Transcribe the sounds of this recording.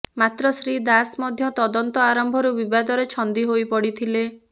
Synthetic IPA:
mat̪ɾɔsɾid̪asmɔd̪ʱjɔt̪ɔd̪ɔnt̪ɔaɾɔmbʱɔɾubibad̪ɔɾet͡ʃʰɔnd̪iɦojpɔɽit̪ʰile

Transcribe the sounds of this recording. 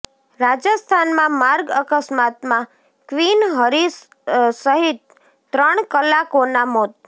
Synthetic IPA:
ɾad͡ʒəst̪ʰanmãmaɾɡəkəsmat̪mã | kʋinɦəɾis | səɦit̪̚ː | ɾəɳ̃kəlakonamot̪̚

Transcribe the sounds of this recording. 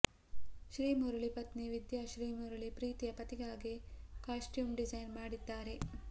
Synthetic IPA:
ʃɾiːmuɾuɭipɐt̪niʋid̪jaʃɾiːmuɾuɭipɾiːt̪ijɐpɐt̪iɡaːɡekaːʂʈjuːmɖizɐjnmaːɽid̪ːaːɾe

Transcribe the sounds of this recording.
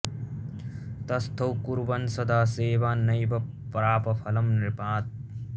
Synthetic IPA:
t̪ɐst̪ʰɐwkuɾbɐnsɐd̪aːseːʋaːnɐjbɐ | pːɐɾaːpɐpʰɐlɐmɾɪpaːt̪̚

